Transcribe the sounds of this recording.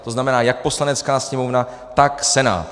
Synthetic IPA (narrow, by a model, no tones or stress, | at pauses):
t̪o̞znamɛnaːjak̚po̞slanɛt͡skaːsɲɛmo̞vna | t̪aksɛna̰ː